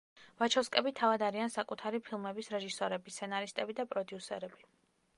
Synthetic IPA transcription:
vat͡ʃʰɔskʼɛbit̪ʰavad̪aɾiansakʼut̪ʰaɾipʰilˠmɛbisɾɛʒisɔɾɛbist̪sʰɛnaɾist̪ʼɛbid̪apʼɾɔd̪iusɛ̰ɾɛbi

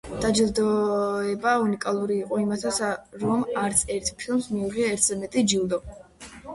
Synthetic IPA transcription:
d̪̥ad͡ʒilˠd̪ɔɛbaunikʼalˠuɾiːqʼɔimat̪ʰasaɾɔmaɾt̪sʰɛɾt̪ʰpʰilˠmsmiuʁiaɛɾt̪ʰzɛmɛt̪ʼid͡ʒilˠd̪ɔ

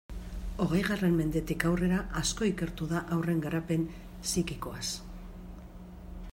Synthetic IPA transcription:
o̞ɣ̞e̞jɣare̞mme̞nd̪e̞t̪ikawre̞ɾaʔasko̞ike̞ɾt̪uðaʔawre̞ŋɡaɾape̞n | sikiko̞as

